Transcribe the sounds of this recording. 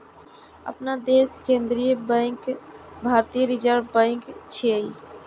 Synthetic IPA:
ə̰pnad̪eskẽnd̪ɾijəbə̃ɪ̃kbʱaɾt̪ijəɾid͡ʒəɾbə̃ɪ̃kt͡ʃʰiəi

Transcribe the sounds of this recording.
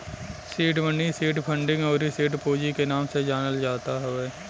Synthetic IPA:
siːʈbə̃ɳɖisiːʈpʰə̃ɳɖɪ̃ŋɡɔːɾisiːʈpoːd͡ʒikenaːmsed͡ʒaːnəld͡ʒaːt̪aɦoʋeː

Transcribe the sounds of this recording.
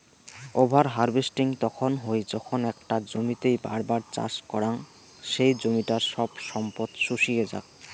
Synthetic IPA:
obʱaɾɦaɾbʱesʈiŋt̪ɔkʰonɦojd͡ʑɔkʰonɛk̚ʈad͡ʑomit̪ejba̰ɾbaɾt͡ɕa̰ʃkɔɾaŋ | ʃejd͡ʑomiʈaɾʃɔbʃɔmpot̪ʃuʃijed͡ʑa̰k̚

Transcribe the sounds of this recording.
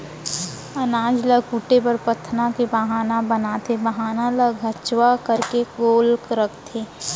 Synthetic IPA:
ənaːd͡ʒləkuːʈepɐɾpət̪ʰːnakebaɦaːnabənat̪ʰebəɦaːnaləɡʱət͡ʃwakəɾkeɡoːlkɾəkʰt̪ʰeː

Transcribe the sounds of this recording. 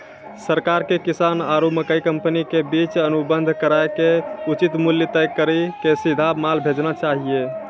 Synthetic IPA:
səɾkaɾkekisanaɾuməkəikəmpənikebit͡ʃənubənd̪ʱkəɾaekeut͡ʃit̪muljət̪əjkːəɾəkesid̪ʱamalbʱed͡ʒnat͡ʃaɦie

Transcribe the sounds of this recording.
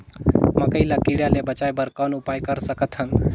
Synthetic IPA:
məkəɪlakiɽjalebət͡ʃajbəɾkɔnupajkəɾsəkət̪ɦəm

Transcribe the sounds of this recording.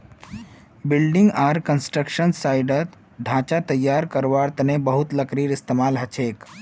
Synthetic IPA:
bɪlɖɪŋɡaɾkənsʈɾəkʃənsaɪɖət̪ | ɖʱãːt͡ʃat̪əjːaɾkəɾʋaɾt̪nebəɦut̪ləkɾiːɾɪst̪emaːlɦɐt͡ʃʰeːk

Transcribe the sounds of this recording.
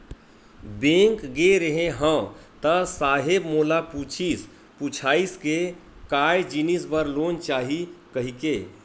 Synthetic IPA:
bẽːŋkɡeɾəɦẽɦə̃t̪əsaːɦebmoːlaput͡ʃʰis | put͡ʃʰaːiskekaːjd͡ʒinisbəɾloːnt͡ʃaːɦikəɦikeː

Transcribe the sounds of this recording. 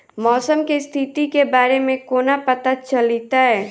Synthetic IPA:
mɔːsəmkist̪ʰɪt̪ikebaːɾemẽkoːnapɐt̪at͡ʃɐlit̪aɦɛː

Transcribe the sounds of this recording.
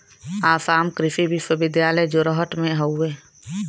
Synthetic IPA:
aːsaːmkɾɪfibʱiʃəbɪd̪jaːləjd͡ʒoɾəɦəʈmẽɦəʊːeː

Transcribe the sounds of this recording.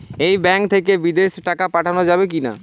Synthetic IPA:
ejbɛŋkt̪ʰekebid̪eʃʈakapaʈʰanod͡ʑabek̬ina̰

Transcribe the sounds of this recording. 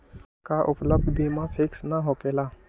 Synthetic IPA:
kaːʔʊpləb̚d̪biːmãːpʰɪksnaɦoːkeːlaː

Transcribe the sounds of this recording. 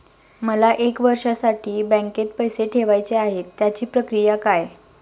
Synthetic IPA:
məlaʔekʋəɾʂasaʈʰiːbɛ̃ŋket̪̚pəjseʈʰeʋajt͡seaɦet̪ːjat͡ɕiːpɾəkɾijakaj

